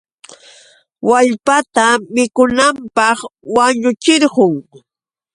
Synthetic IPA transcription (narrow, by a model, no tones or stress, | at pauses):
waʎpat̪amɪkʊnampɑχwaɲʊt͡ʃɪɾɢʊŋ